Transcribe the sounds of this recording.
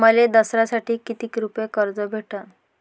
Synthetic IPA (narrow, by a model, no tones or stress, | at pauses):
məled̪əsɾasaʈʰiːkit̪iːkɾupjekəɾd͡zəbʱeʈa